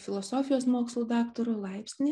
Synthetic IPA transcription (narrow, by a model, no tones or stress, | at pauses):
fʲɪlˠɔsoːfʲɪjoːsmoːkslˠuːd̪ɑːkt̪oɾoːlˠɐɪpʲsʲnʲɪ